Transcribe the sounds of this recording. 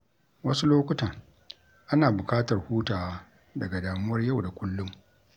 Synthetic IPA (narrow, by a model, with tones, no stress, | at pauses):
wɐ˦su˦loː˦kʷʊ˦taː˨ | ʔa˦naː˨bʊ˨kaː˦tɐ˨rhuː˦taː˨wa˦ | dɐ˨ɡa˨daː˨mʊ˦wɐ˦rja˦˨wda˨kʷʊ˦lːʊ˦m